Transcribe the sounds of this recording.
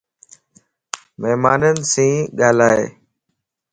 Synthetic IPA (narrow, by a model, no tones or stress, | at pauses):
məɦmaːnən̆sĩːɠaːlaːḛː